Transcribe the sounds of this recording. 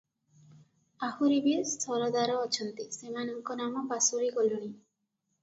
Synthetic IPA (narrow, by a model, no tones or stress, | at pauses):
ahuɾibiest̪ʰɔɾɔd̪aɾɔːt͡ʃʰɔnt̪isemanɔŋkɔnamɔpasuɾikɔlɔni